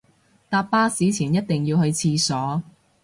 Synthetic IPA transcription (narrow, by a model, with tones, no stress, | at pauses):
t̪aː˧pːaː˥siː˨˥t͡sʰiː˨˩njɐ˥t̚t̪ɪ˨ŋjiː˧whɵ˧ɥt͡sʰiː˧sɔː˨˥